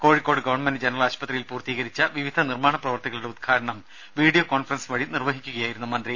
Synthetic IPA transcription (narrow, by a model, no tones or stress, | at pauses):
ko̞ːɻikːo̞ːɽɨɡɐʋɐɳmendɨd͡ʑenɐrɐlaːɕpɐt̪rɐjilpuːrt̪iːɣɐɾit͡ɕːɐʋiʋid̪ʱɐnirmaːɳɐprɐʋɐrt̪ɐɣɐɭuɽe̞ud̪̚kʰaːɾɐɳɐm | ʋiːɖijokoːnfɐrɐnsʋɐɻinirʋɐɦikʲːuɣɐjaːjiɾunːumɐnd̪ri